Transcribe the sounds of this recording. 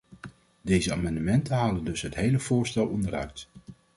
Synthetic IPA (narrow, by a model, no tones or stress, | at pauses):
dejzəa̰ːmɑndəmɛntənɦaːləndɵsɦətɦejləv̥ʊːɹstɛlˠɔndərœ̰ɥt